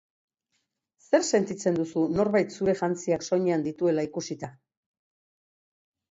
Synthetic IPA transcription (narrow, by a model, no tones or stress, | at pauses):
se̞ɾse̞nt̪it͡se̞nd̪usuno̞ɾβajt̪suɾe̞ʝant͡siakso̞ɲeand̪it̪ue̞laikusit̪a